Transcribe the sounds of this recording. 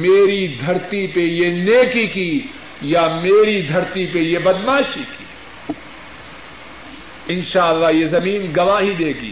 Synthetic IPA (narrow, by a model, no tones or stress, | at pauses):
meːɾid̪ʱɐɾt̪ipejeneːkiki | jameːɾid̪ʱɐɾt̪ipejebɐd̪maːʃikḭː | ɪnʃaːɐlːaːjezɐmiːnɡɐʋaːɦid̪eːɡḭː